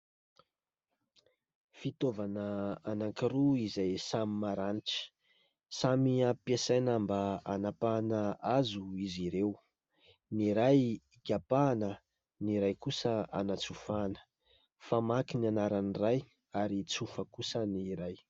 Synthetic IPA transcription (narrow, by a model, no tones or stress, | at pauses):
fit̪ovanəanaŋkiɾuizajsamimaɾaniʈ͡ʂə̥ | samiapesajnambaanapanəazuiziɾew | niɾaj | ɡʲapanə | niɾajkusəa̰nat͡sufanə̥ | famakinanaɾaniraj | aɾit͡sufəkusəniɾaj